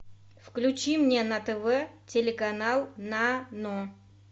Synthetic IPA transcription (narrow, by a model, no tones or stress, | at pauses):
fklʲʉt͡ɕimnʲenət̪ɛvɛtʲɪlʲɪkɐnalˠnano